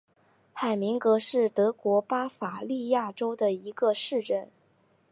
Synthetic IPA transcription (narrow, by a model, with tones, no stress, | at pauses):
xa˨˩ɪmi˧˥ŋkɤ˧˥ʂɻ̩˥˩t̪ɤ˧˥kwɔ˧˥pa˥fa˨˩li˥˧ja˥˩ʈ͡ʂo˥ʊd̪ə˨i˧˥ɡ̥ə˧ʂɻ̩˥˧ʈ͡ʂə˥˩n